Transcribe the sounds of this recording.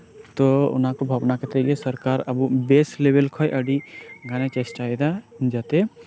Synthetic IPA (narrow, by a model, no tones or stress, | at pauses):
t̪oʊ̰nɦãkobʱaʋnaket̪eɡesɐɾkaːɾɐbubeːsleːʋelkʰɔːjʔɐɖiɡaːnet͡ʃesʈaːed̪ad͡ʒat̪e